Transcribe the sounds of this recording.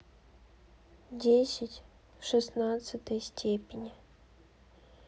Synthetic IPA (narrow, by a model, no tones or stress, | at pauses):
dʲesʲɪtʲ | fʂɨsnat̪sɨt̪əjsʲtʲʰepʲɪnʲɪ